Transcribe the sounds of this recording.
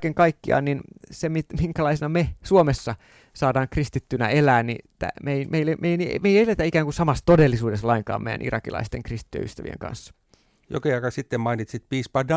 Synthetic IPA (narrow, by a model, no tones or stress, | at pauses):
keŋkɑikːiɑ̰ːnninsemit̪miŋkælɑisenɑmesuomesːɑ | sɑːdɑːŋkrist̪it̪ːynæ̰elæːnnḭt̪æ̰meimeilːemeiænimeielet̪æikæːŋkunsɑmɑst̪odelːisuːdeslɑiŋkɑ̰ːmḛjːæ̰nḭrɑ̰kilɑ̰ist̪ḛŋkrist̪it̪ːyjḛy̰st̪æʋiḛŋkɑ̰nsːɑ̥ | jo̰kiɑkɑsit̪ːemmɑinit̪sit̪̚piːspɑdɑ